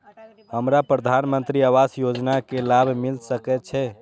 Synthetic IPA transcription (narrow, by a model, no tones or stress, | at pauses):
həmɾapɾəd̪ʱanmənt̪ɾiaʋasjod͡ʒnakelabʱmilsəkɛt̪̚t͡ʃʰɛ